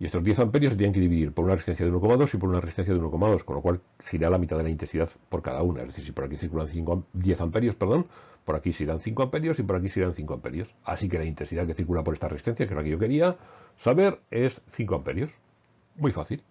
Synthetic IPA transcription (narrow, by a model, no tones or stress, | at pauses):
ie̞st̪o̞zðje̞θampe̞ɾjoset̪jeneŋke̞ðiβiðiɾpounareist̪enθjaðuno̞ko̞maðo̞sipoɾunaresist̪enθjaðuno̞komaðo̞skonlo̞kwal | siɾealamit̪aðeaint̪ensiðaðpo̞ɾka̰ða̰una̰zðe̞θiɾsipo̞ɾakiθiɾkulanθiŋkd̪je̞θampe̞ɾjo̞spe̞ɾðo̞npo̞ɾakiseiɾanθiŋkoampe̞ɾjo̞sipo̞ɾakisiɾanθiŋkoampe̞ɾjo̞sa̰sike̞laint̪ensiðaðke̞θiɾkulapo̞ɾe̞st̪aresist̪enθjake̞zlakeʝoke̞ɾiasaβe̞ɾe̞sθiŋkoampe̞ɾjo̞s | mwijfaθil